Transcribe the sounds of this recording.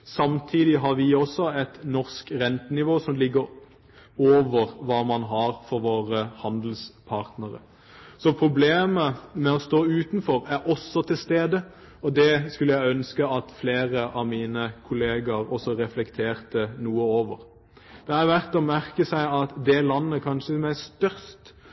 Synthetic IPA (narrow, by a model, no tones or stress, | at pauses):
sɑmt̪ʰiːd̪ɪɦɑɾʋɪɔsɔɛt̪nɔʁskɾɛnt̪ənɪʋoːsɔmlɪɡːəɾ | oːʋəɾʋɑːmɑnɦɑʁfɔɾʋoːɾəhɑnd̪l̩spʰɑːʁt̪nəɾə̰ | sɔpʰɾʊbleːməmɛɔst̪oːʉːt̪nfɔɾæɾɔsːɔt̪ʰɪlst̪eːd̪ə | ɔd̪ɛskʉləjæɪœnskəɑt̪fleːʁəʔɑʋmiːnəkʰʊleːɡəɾɔsːɔɾɛflɛkt̪ʰeːʁt̪ənuːəoːʋəɾ | d̪̥ɛæɾʋæʁt̪ɔmæʁkəsæɪɑt̪d̪ɛlɑnːəkʰɑnʂəmæɪst̪œɾst̪